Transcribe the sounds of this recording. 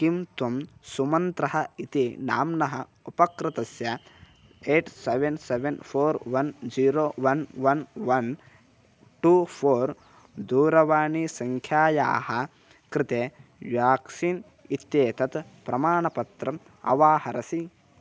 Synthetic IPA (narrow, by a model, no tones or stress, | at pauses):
kimt̪ɐmsumɐnt̪ɾɐɦɐit̪ina̰ːmnɐɦɐ | upɐkɾɪt̪ɐsjɐ | eːʈseʋenseʋenpʰoːɾʋɐnd͡ʒiːɾoːʋɐnʋɐnʋɐn | ʈuːpʰoːɾ | d̪uːɾɐʋaːɳisɐŋkʰjaːja̰ːhɐ | kɾɪt̪eːʋjaːksin | it̪ːjeːt̪ɐt̪pɾɐmaːɳɐpɐt̪ɾɐ | ɐ̰ʋaːhɐɾɐsi